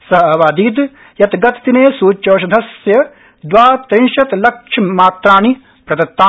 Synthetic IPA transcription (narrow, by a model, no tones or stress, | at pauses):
sɐɦɐʋaːd̪iːd̪ | jɐt̪ɡɐt̪t̪ineːsuːt͡ʃoːʃ̬ɐd̪ʱɐsjɐ | d̪ʋaːt̪ɾinʃɐt̪lɐkʂʰɐmaːt̪ɾaːni | pɾɐd̪ɐt̪ːaː